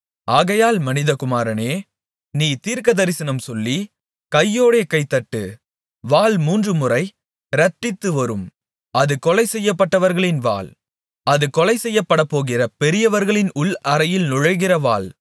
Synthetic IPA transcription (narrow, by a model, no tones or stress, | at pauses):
ʔaːɣɐjaːlmɐnɪðɐkʊmaːɾɐneː | niːt̪iːɾkɐðɐɾɪsɐnɐmsɔlːi | kɐjːoːɽeːkɐɪt̪ːɐʈːɯ̰ | ʋaːlmuːndrɯmʊrɐɪ | ɾɐʈːɪt̪ːɯʋɐɾɯm | ɐðɯkɔlɐɪsɛjːɐpːɐʈːɐʋɐɾɣɐɭɪnʋa̰ːl | ɐðɯkɔlɐɪsɛjːɐpːɐɽɐpːoːɣɪrɐpɛɾɪjɐʋɐɾɣɐɭɪnʊɭɐɾɐjɪlnʊɻɐɣɪrɐʋaːl